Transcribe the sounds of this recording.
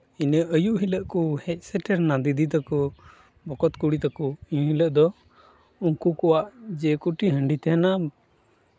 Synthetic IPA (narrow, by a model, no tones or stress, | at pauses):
inəəjuʔɦiləʔkuhɛc̚ˀsɛʈɛɾnad̪id̪it̪akɔ | bɔkɔt̪kuɽit̪akɔəɲuhiləʔd̪ɔ | unkukɔwaʔd͡ʒɛkuʈiɦəɳɖit̪ɛɦɛna